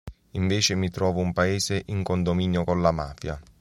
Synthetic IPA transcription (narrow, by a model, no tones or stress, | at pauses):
iɱveːt͡ʃɪmit̪ɾɔːvʊumpaeːseʔiŋkond̪omiːnjokonlːama̰ːfja̰